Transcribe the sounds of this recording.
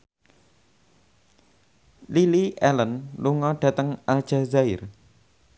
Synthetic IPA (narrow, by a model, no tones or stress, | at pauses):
liliʔɛlənluŋɔɖ̥ä̤t̪əŋal̥ʒ̥azaɪr